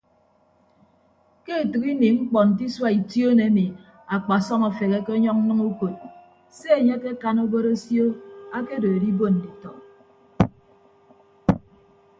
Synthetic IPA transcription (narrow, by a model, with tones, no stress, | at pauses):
ke˦˨tɨ˨ki˦ni˨ŋ͡m̩˦k͡pɔ˨n̩˨t̬i˦swa˦i˨tjo˦ne˨˦ni˨ | a˨k͡pa˨sɔ˦ma˨fe˨ke˦ke˦ɔ˦ɲɔ˦k̚n̩˦nɨ˦ŋu˦ko˨t̚ | se˦e˨ɲe˦ke˦ka˦no˦bo˦ɾo˦sjo˦a˦ke˦do˨a˨di˦bo˦n̩˨di˨tɔ˨